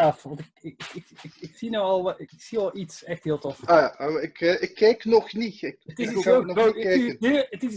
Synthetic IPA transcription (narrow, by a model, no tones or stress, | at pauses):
afʋɑntɪkɪkɪkɪksinəɔlˠɪksiɔlˠitsɛxthɪəlˠtofaaoɪkːɪkʰːɛːknɔxniɪkətɪsonɔɛkənətɪs